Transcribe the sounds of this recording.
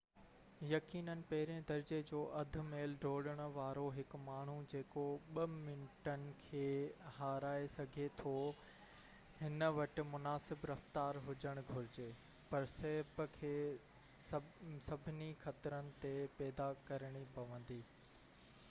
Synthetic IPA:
jɐkiːnənɪ̆pɐɦɪɾẽd̪ɐɾd͡ʑed͡ʑoːʔɐd̪ʱʊ̆meːlɖʱoːɽəɽ̃ʊ̆ʋaːɾoɦɪkmaːɳ̤ud͡ʑeːkoɓɐmɪnʈənɪ̆kʰeːhaːɾaːesɐɡʱet̪ʰo | hɪnə̆ʋɐʈɪ̆mʊnaːsɪbɾɐft̪aːɾɦʊd͡ʑəɽ̃ɡʱʊɾɪd͡ʑeː | pɐɾsɐɦɪbkʰeː | sɐbʱɪnixɐt̪ɾənɪ̆t̪epɛːd̪akɐɾəɽ̃ipɐʋə̃nd̪iː

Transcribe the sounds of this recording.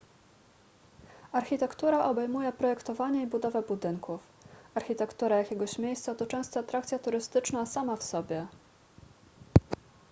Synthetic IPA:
aɾxʲit̪ɛkt̪uɾaʔɔbɛjmujɛpɾɔjɛkt̪ɔvaɲɛibud̪ɔvɛbud̪ɘŋkʰuf | aɾxʲit̪ɛkt̪uɾajakʲɛɡɔɕmʲjejst̪sat̪ɔt͡ʂɛw̃st̪ɔat̪ɾakt̪sʲjat̪uɾɘst̪ɘt͡ʂnasamafsɔbʲjɛ

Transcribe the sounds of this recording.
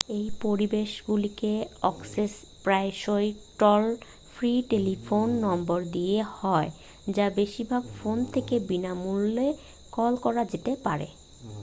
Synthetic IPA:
ejpoɾibeʃɡulikeɔkses | pɾaeʃojʈɔl | fʰɾiʈelifonːɔmboɾd̪ijehɔe | d͡ʑabeʃiɾbʱaɡfont̪ʰekebinamulːe | kɔlkɔɾad͡ʑet̪epaɾḛ

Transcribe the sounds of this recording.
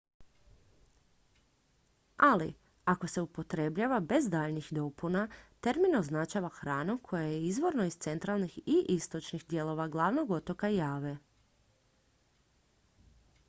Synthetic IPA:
alḭ | ako̞se̞upo̞t̪ɾe̞bʎaʋabe̞zd̪aːʎnixd̪o̞punat̪e̞ɾminoznat͡ʃaʋaxɾaːnukʰo̞jajeizʋo̞ɾno̞ist̪se̞nt̪ɾalˠnixiʔist̪o̞t͡ʃnixd̪je̞lˠo̞ʋaɡlˠaʋno̞ɡo̞t̪o̞kajaːʋe

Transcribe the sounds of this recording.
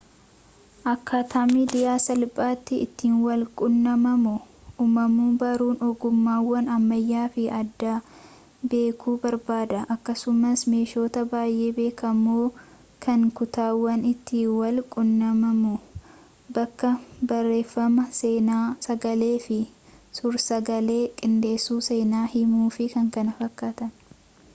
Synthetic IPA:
ʔɐkːaːt̪ʰaːmid̪ɪjaːsɐlpʼaːt̪ːɪɪ̰t̪ːiːnwɐlkʼʊnːɐmɐmʊʔumɐmuːbɐɾuːnɔɡʊmːaːwːɐnɐmːɐjːaːfɪɐd̪ːaː | be̞ːkʰuːbɐɾbaːd̪ɐʔɐkːɐsʊmɐsme̞ːʃo̞ːt̪ɐbaːjʔeːbe̞ːkɐmːoː | kʰɐŋkʊt̪aːwːɐnɪt̪ːɪwɐlkʼʊnːɐmɐmʊ | bɐkːɐbɐrːe̞ːfːɐmɐseːnaːsɐɡɐle̞ːfɪsʊɾsɐɡɐle̞ːkʼɪnd̪e̞ːsːuːse̞ːnaːhɪmuːfɪkɐŋkɐnɐfɐkːat̪ɐn

